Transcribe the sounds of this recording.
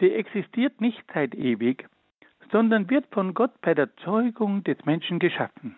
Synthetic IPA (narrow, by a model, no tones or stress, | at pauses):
z̥iːʔɛksɪstʰiːɐtnɪçtt͡saɪteːvɪç | z̥ɔndɐnvɪɐtfɔnɡɔtb̥aɪdeːɐt͡sɔʏɡʊŋd̥ɛsmɛnʃn̩ɡəʃafn̩